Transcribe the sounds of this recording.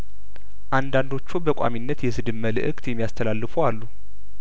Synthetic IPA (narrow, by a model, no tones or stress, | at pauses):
ʔand̪and̪o̞t͡ʃːubəkʷʼa̰minːət̪jɛsɨd̪ɨmːəlɨ̰ʔɨkʼt̪jɛmːijast̪ʰəlalːɨfowalːu